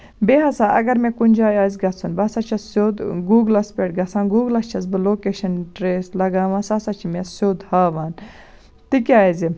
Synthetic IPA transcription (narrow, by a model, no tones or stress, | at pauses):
beɦɐsaːʔɐ̰ɡɐɾmẽkunʲd͡ʒaːjaːzʲɡɐt͡sʰunbɐsɐt͡ʃʰɐssod̪ɡuːɡlɐspʲeːʈɡɐt͡sʰãːnɡuːɡlɐst͡ʃʰɐz̬bɨloːkeːʃɐnʈɾeːslɐɡaːʋãsasɐt͡ʃʰimesoːd̪haːʋaːn | t̪ikʲaːzi